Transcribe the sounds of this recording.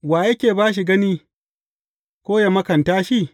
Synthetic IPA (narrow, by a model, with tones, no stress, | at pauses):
waː˨jɐ˦kʲeː˨baː˦ʃ̬i˨ɡɐ˦niː˦ | kʷoː˦ja˨mɐ˦kɐ˨ntaː˦ʃi˦˨